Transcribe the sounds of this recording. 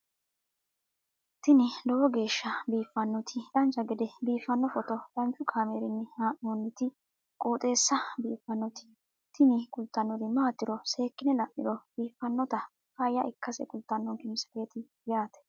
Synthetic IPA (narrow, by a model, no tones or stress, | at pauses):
t̪ɪnɪlɔwɔɡe̞ːʃːɐbiːfːɐnːɔt̪ʰɪᶑ̪ɐnt͡ʃːɐɡɛd̪ɛbiːfːɐnːɔfɔt̪ɔt̪ʼɐnt͡ʃʊkʰaːmeːɾɪnːɪhaːʔoːnːɪt̪ɪ | kʼoːt̪ʼe̞ːsːɐbiːfːɐnːɔt̪ɪ̥ | t̪ɪnɪkʊlt̪ːɐnːɔd̪ɪmaːt̪ːɪɾɔse̞ːkːɪnɛlɐʔːɪ̰ɾɔb̥iːfːɐnːɔt̪ɐ | fɐjːɐʔɪkːɐsɛ̰kʊlt̪ːɐnːɔŋkɪmsɐ̥fe̞ːt̪ɪ | jaːt̪ɛ̥